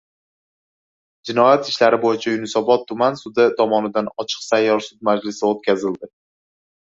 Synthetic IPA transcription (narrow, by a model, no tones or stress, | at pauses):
d͡ʒɪnɒjat̪ɪʃlaɾɪbojɪt͡ʃʰajʊnɪsɒbɒt̪ʰːʊmansʊd̪ɪt̪ʰɒmɒnɪd̪anɒt͡ʃʰɨ̥qsajːɒɾsʊd̪̚mad͡ʒlɪsɪot̪̚kʲʰazɪld̪ɪ